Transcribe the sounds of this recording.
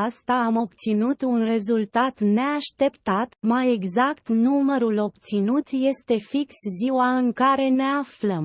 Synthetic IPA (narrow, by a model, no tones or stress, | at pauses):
ast̪aːmo̞b̚t̪sinut̪unre̞zult̪at̪ne̞aʃt̪e̞pt̪at̪maje̞ɡzakt̪numəɾulo̞b̚t̪sinut̪je̞st̪e̞fiksziwaɨŋkaɾe̞ne̞afləm